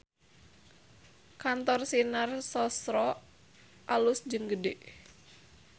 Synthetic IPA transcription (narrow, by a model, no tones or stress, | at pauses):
kant̪ɔrsinarsɔsɾɔ | ʔalusd͡ʒɨŋɡədeʔ